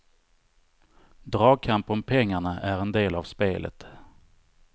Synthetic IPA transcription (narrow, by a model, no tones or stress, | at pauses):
d̪ɾɑːɡ̚kʰampɔmpʰɛŋːaɳaʔæɾɛnd̪eːlavspeːlʔə̰t̪